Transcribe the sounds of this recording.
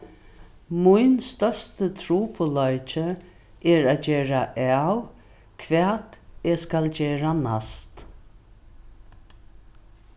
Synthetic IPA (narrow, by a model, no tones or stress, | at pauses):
mʊjnst̪œst̪ət̪ʰɾuːpʰʊlɔjt͡ʃə | ɛɹaːd͡ʒeːɹaʔæw | kʰvɛːt̪eskald͡ʒeːɹana̰st̪